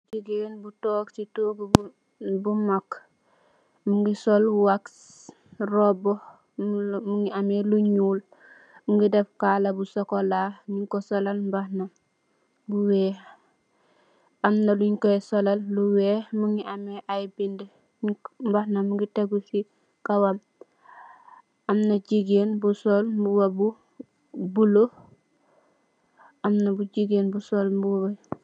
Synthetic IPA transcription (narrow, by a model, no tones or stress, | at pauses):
d͡ʒiɡenbutɔːksituːɡ | bumak | muŋɡisɔlwaks | rɔbo | muŋɡiameluɲuːl | muŋɡidefkaːlabusɔkolaɲiŋkosolalmbahna | buwɛː | ɐmnɐluɲkɔɛsɔlɐlːuwɛːmuŋɡiʔamɛʔajbind | mbahnamuɡiteɡusi | kawam | amnɐɟiɡeːnbusɔlmbuwabu | bulo | amnɐbuɟiɡeːnbusɔlmbuwa